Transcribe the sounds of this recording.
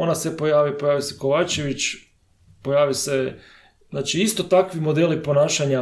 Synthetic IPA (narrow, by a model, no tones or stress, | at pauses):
onasepo̞jaːʋipo̞jaːʋiseko̞ʋaːt͡ʃe̞ʋit͡ʃ | po̞jaːʋise | znaːt͡ʃiist̪o̞t̪akʋimo̞d̪elipo̞naːʃaɲa